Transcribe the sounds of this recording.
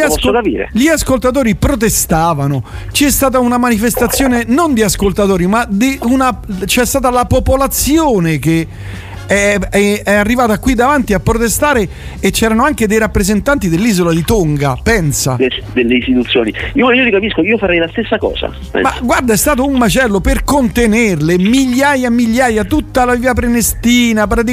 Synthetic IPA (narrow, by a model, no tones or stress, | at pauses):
ʎiapssːokapḭːɾḛʎiaskolt̪at̪̬oːɾipɾot̪̬est̪aːvano | t͡ʃɛst̪aːt̪̬aunamanifest̪at̪sːjoːnenond̪iaskolt̪at̪oːɾimad̪iunat͡ʃɛst̪aːt̪alapopolat̪sːjoːnek̟e | ɛɛɛarːivaːt̪akwid̪ːavant̪iapːɾot̪est̪aːɾe | et͡ʃːɛːɾanoaŋk̟ed̪ejɾapːɾezent̪ant̪id̪elːiːzolad̪it̪oŋɡa̰pɛnsa̰d̪elːeist̪it̪ut̪sːjo̰ːniioiːolikapiskoiːofaɾɛjlast̪esːakɔ̰ːza̰ | ɛ̰maɡward̪aɛst̪aːt̪̬oumːat͡ʃɛlːoperkont̪enerlemiʎːaːjamiʎːaːjat̪ut̪ːalaviːap̬ɾenest̪iːnap̬ɾat̪̬i